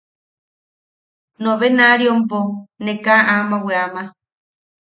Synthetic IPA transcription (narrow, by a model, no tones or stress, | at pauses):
nõβenaɾiomponekaʔamãweama